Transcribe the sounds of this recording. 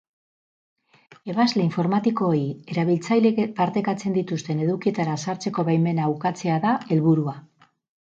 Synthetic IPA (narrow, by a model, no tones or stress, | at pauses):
e̞βazle̞iɱfo̞ɾmat̪iko̞ːɾie̞ɾaβilt͡sajlepaɾt̪e̞kat͡se̞nd̪it̪ust̪e̞ne̞ðukie̞t̪aɾasaɾt͡se̞ko̞βajme̞nawkat͡se̞aðae̞lβuɾua